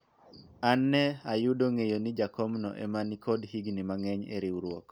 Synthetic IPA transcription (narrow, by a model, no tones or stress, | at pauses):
anːɛajʊdoŋejonɪd͡ʒakɔmnɔ̰ʔɛ̰manikʰɔdhiɡnimaŋɛɲḛɾiwɾwok